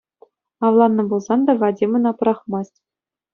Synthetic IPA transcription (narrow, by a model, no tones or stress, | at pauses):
ɑʋlˠɑnːɤ̆bulˠzɑnd̪ɑɡɑdʲimɤ̆nɑpɤ̆ɾɑχmɑsʲtʲ